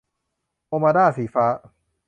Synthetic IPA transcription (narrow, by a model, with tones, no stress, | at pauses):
ʔoː˧maː˧daː˥˩siː˩˦faː˦˥